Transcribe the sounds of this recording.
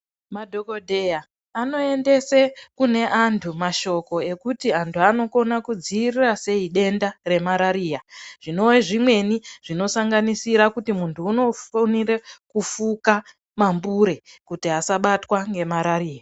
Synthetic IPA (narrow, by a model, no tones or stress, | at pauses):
madʱo̞ko̞dʱeja | ano̞e̞nde̞sekune̞ʔantʰumaʃo̞ko̞e̞kutiantʰuano̞ko̞nakud͡ziːrirase̞iɗe̞ndare̞maɾaɾiːjaʐ̥ino̞weʐimwe̞niʐ̥ino̞saŋɡanisiɾakutimuntʰuːno̞fonirekufuka | mambuɾe̞kutiɦasaɓatwaŋɡe̞maɾaɾiːja